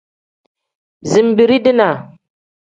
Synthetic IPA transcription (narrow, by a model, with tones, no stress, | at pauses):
zi˨mbi˨ɾi˦di˦na˨